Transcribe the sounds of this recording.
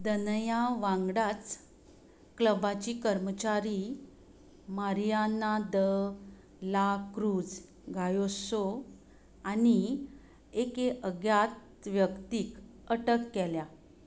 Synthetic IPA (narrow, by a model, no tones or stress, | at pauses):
d̪ənjaʋãŋɡɽat͡s | kləbat͡ɕikəɾmət͡ɕaɾi | məɾijanad̪ə | lakɾuːd͡z | ɡʱajoso | ani | ekeʔəɡjat̪ | ʋjəkt̪iːkəʈəkːɛlja